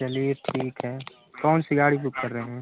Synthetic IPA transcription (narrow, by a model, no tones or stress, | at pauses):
ɐliːɾʈʰiːkɦɛː | kɔːnsiɡaːɽibʊkkɐɾːəɦeɦɛ̃ː